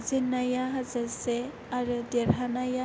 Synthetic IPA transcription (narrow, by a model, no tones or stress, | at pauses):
zinajaɦazaɾse | aɾudɛɾanaja